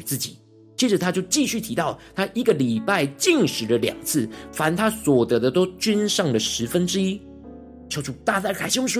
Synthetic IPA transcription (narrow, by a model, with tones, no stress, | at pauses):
t͡sɹ̩˥˩t͡ɕi˨˩˦ | t͡ɕɛ˧˥ʈ͡ʂə˨˦t̪ʰa˥t͡ɕjo˥˧ʊt͡ɕi˥˧ɕy˥˩t̪ʰi˧˥t̪ɑ˥˩ʊt̪ʰa˥ʔi˧˥ɡə˨li˨˩pa˥˧ɪt͡ɕi˥˩ŋʂɻ̩˧˥d̪ə˧ljɑ̰˨˩ŋt͡sʰɹ̩˥˩fa˧˥nt̪ʰa˥swɔ˨˩t̪ɤ˧˥d̪ə˧t̪o˥ʊt͡ɕy˥nʂɑ˥˩ŋlə˩ʂɻ̩˧˥fə˥˦nʈ͡ʂɻ̩˥i˥ | t͡ɕʰjo˧˥ʊʈ͡ʂʰu˨˥˩t̪a˥˧t͡sa˥˩kʰa˨˩ɪɕi˥ŋʂu˥